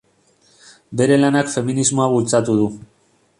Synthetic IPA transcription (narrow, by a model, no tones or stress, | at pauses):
be̞ɾe̞lanakfe̞minizmo̞aβult͡sat̪uð̞u